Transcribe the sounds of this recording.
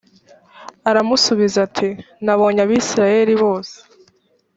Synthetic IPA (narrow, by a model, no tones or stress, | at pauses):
aɾamusuβizatʰi | naβo̞ːɲaβiːsiɾaje̞ɾiβo̞ːse̥